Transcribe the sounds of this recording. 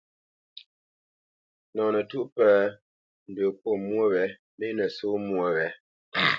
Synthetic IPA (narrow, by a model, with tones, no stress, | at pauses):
nɔ˨nə˨tu˦ʔpə˦ | n̩˨də˨po˦˨mwo˦˨wɛ˨˦ | me˦nə˨so˦mwo˦˨wɛ˨˦